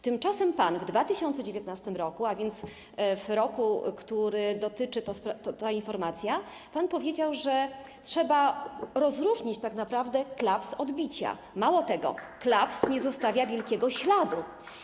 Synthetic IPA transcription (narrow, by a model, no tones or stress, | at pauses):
t̪ɘmt͡ʂasɛmpanvd̪vat̪ɘɕɔnt̪sɛd͡ʑevʲjɛt̪nast̪ɘmɾɔkuavʲjɛnt̪s | vɾɔkukt̪uɾɘd̪ɔt̪ɘt͡ʂɘt̪ɔspt̪t̪ainfɔɾmat̪sʲja | panpɔvʲjed͡ʑawʐɛ | tʂɛbaɾɔzɾuʐɲit͡ɕt̪aknapɾavd̪ɛklapsɔd̪bʲit͡ɕa̰ | mawɔt̪ɛɡɔ̰klapsɲɛzɔst̪avʲjavʲjɛlkʲɛɡɔɕlad̪u